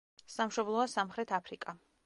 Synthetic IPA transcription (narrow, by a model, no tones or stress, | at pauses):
samʃɔblˠɔasamχɾɛt̪ʰapʰɾikʼa